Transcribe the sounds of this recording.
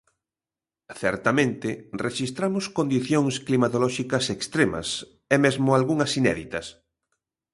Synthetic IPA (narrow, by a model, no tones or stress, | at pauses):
θɛɾt̪ɐmẽnt̪ɪreʃist̪ɾamʊskond̪iθjoŋsklimat̪olɔʃikɐsekst̪ɾemɐ̰s | ɛmezmʊalɣuŋɐsinɛ̰ðit̪ɐs